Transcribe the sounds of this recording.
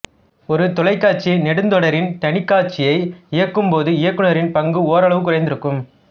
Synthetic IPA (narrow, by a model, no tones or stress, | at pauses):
ɔɾɯt̪ɔlɐɪkːaːt͡ʃinɛɽɯnd̪ɔɽɐɾɪnt̪ɐɳɪkːaːʈ̚t͡ʃɪjɐɪɪjɐkːɯmpoːðɯɪjɐkːɯnɳɐɾɪnpɐŋɡɯoːɾɐɭɐʋɯk̬ːʊrɐɪnd̪ɪɾɯkːɯm